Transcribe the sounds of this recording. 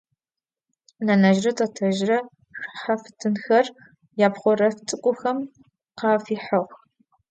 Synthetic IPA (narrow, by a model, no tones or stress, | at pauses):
nɐnɐʒrɐtʰʼɐtʰɐʒrɐ | ɕħafɨ̥tʰɨnxɐr | jaːpχʷɔrɐft͡sʼɨkʷʼʊxɐm | qɑːfiːħɐʁ